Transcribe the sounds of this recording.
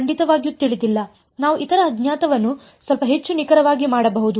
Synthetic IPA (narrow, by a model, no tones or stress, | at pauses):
ɐɳɖit̪ɐʋaːɡjut̪iɭid̪ilːɐ | naːʋuʔit̪ɐɾɐːd̪ɲjaːt̪ɐʋɐnːu | sʋɐlpɐɦe̞t͡ʃːunikɐɾɐʋaːɡimaːɽɐbɐɦud̪u